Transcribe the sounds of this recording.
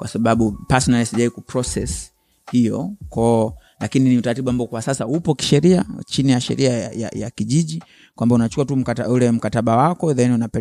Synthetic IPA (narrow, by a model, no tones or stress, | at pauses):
kwasaɓaɓupasɔnalisiʄaikupɾɔsɛs | hijɔ̰kɔ | lakininiutaɾatiɓuambaɔkwasasaupɔki̥ʃɛɾia̰t͡ʃinijaʃɛ̰ɾʔiaaja̰ja̰kiʄiʄi | kwambaunat͡ʃu̥kuatum̩kata̰ulɛm̩kataɓawakɔɛðaɛniunapɛ